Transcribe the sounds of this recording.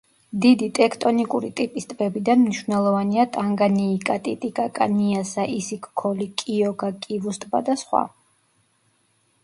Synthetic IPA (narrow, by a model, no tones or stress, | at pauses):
d̪id̪it̪ʼɛkʰt̪ʼɔnikʼuɾit̪ʼipʼist̪ʼbɛbid̪anmniʃvnɛlˠɔvaniat̪ʼaŋɡaniːkʼat̪ʼḭt̪ʼikʼakʼa̰niasaʔisikʰʼkʰɔlikʼiɔɡakʼivust̪ʼba̰d̪asχwa̰